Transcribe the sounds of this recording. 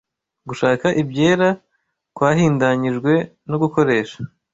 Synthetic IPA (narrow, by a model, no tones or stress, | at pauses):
ɡuʃaːkaʔibɟe̞ːɾa | kwaːɦiːndaɲiʒɡwe̞ | noɡuko̞ɾe̞ːʃḁ